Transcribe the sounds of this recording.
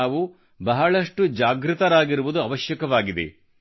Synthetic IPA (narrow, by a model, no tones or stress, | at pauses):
aːʋu | bɐɦɐɭɐʂʈud͡ʒaːɡɾut̪ɐɾaːɡiɾuʋud̪uɐʋɐʃjɐkɐʋaːɡid̪ḛ